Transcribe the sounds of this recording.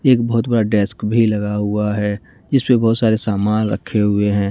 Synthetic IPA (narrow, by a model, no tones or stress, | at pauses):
eːkbɐɦʊt̪bɐɽaɖɛskbʱilɐɡaɦʊaɦɛ | d͡ʒɪspebɔːt̪saːɾesaːmaːlɾə̰kʰːeɦʊeɦɛ̃ː